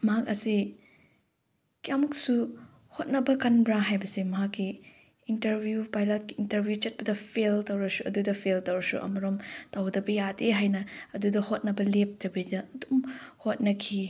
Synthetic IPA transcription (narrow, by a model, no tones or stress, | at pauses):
mɐɦakɐsi | kijamɐksu | hot̚nɐbɐkɐnbɾaɦajbɐsimɐɦakːi | intɐɾbʱjupajlat̚kiːntɐɾbjut͡ʃɐt̚pɐdɐpʰeltɐwɾɐsuʔɐdudɐpʰeltɐwɾɐsṵʔɐ̰mɐɾomtɐwdɐbɐjadeɦajnɐɐdudɐhot̚nɐbɐlep̚dɐbidɐɐdumhot̚nɐkʰi